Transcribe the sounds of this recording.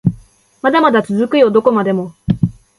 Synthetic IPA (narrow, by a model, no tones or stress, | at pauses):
mad̪amad̪at͡sɨzɨkɯ̟jo̞d̪o̞ko̞mad̪e̞mo̞